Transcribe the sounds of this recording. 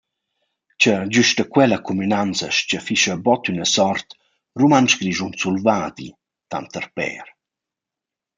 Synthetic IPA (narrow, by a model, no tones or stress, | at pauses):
t͡ɕəd͡ʑyʃtəkwɛlakumynant͡səʃcəfiʃəbɔt̪ynəsɔɾt̪ | rumant͡ʃɡɾiʒunt͡sulvad̪ḭ | t̪a̰nt̪əɾpɛ̰ɾ